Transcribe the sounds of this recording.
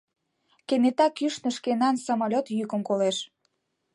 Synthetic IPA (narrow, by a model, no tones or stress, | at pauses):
kenet̪ɑkyʃnə̆ʃkenɑnsomolʲot̪jykə̆mkoleʃ